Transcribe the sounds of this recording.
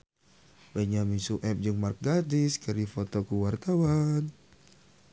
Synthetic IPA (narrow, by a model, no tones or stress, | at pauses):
baɲamisuʔɛp̚d͡ʒɨŋmark̚ɡadɪskəɾifot̪okuwart̪awan